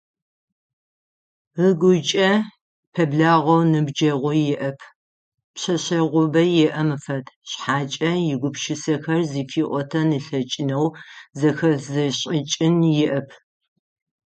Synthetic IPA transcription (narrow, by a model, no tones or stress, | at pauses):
əɡʷʊt͡ʃʼɐ | pʰɐbɮaːʁɐwnɨbd͡ʒɐʁʷʊjɛʔɐpʰ | pɕɐɕɐʁʷʊbɐjɛʔɐmɨfɐtʰɕħaːt͡ʃʼɐjɪɡʷʊpʃɪsɐxɐrziːfiːʔʷɔtʰɐnɨɬɐt͡ʃʼɪnɐwzɐxɐzɐɕʼɪt͡ʃʼɪnjɪʔɐpʰ